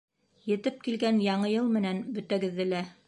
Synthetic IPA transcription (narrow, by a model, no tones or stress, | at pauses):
jɘ̆t̪ɘp̚kilɡænjɑɴɤjɤlˠmɘ̆nænbɵ̆t̪æɡɘ̆ðːɘ̆læ